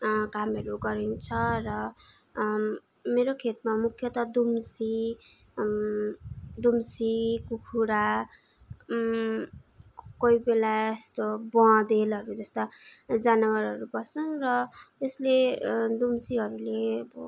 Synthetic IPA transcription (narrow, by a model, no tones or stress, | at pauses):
kamʌɾuɡʌɾint͡sʰʌrʌ | meɾokʰet̪̚mamukʰjʌt̪ʌd̪umsi | d̪umsikukʰuɽa | koibelaest̪obʌ̃d̪elʌɾud͡zʌst̪ʌd͡zanʌwaɾʌɾubʌst͡sʌnrʌtesled̪umsiɦʌɾuleʌbʌ